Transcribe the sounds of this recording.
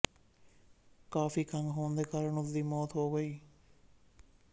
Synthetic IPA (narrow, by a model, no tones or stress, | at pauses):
kaːfiːkʰɐ̃ŋɡɦõːnd̪eːkaːɾəɳʊt̪d̪iːmɔːt̪ɦoːɡəiː